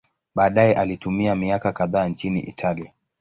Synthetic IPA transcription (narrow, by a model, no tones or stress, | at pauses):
ɓaːɗajɛʔalitumiamiakakaðaːnt͡ʃinḭʔḭtʰalia